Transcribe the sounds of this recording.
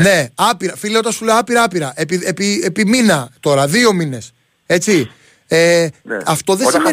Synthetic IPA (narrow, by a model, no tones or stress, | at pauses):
ne̞ɐpiɾɐfilio̞t̪ɐsule̞oɐpiɾɐɐpiɾɐʔepiðepiepiminɐt̪o̞ɾɐðio̞mine̞s | e̞t͡si | eɐft̪o̞ðesime